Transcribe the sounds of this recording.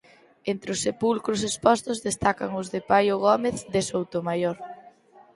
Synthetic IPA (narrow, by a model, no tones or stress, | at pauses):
ent̪ɾɪʊsːepulkɾʊs̬espɔst̪ʊzðest̪akaŋʊzðepajoɣ̞ɔmeθd̪esowt̪omajoɾ